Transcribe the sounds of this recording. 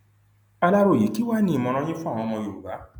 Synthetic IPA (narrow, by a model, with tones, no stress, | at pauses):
a˧la˦ɾo˨je˨˦ki˦wa˦nĩ˧˨mɔ̃˧ɾ̃ɔ̃˧j̃ĩ˦fɔ̃˦˨ɔ̃˧mɔ̃˧jo˨ɡa˨˦